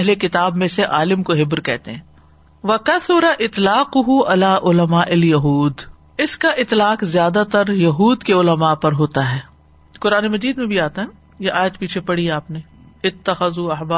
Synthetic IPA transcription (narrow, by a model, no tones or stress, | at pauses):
ɛɦlekɪt̪aːbmẽseʔaːlɪmkoɦɪbɾkɛ̰ɦt̪eɦɛ̃ː | ʋɐkɐθʊɾaʔɪt̪laːqʊɦʊɐlaːʔʊlɐmaːʔɪljɐɦuːd̪ | ɪskaʔɪt̪laːqzjaːd̪at̪ɐɾjɐɦuːd̪keʊlɐmaːpɐɾɦoːt̪aɦɛː | qʊɾaːnemɐd͡ʒiːd̪mẽbʱiaːt̪aɦɛ | jeʔaːjət̪̚piːt͡ʃʰepɐɽiɦɛaːpne | ɪt̪ːɐxɐzuɐɦbaː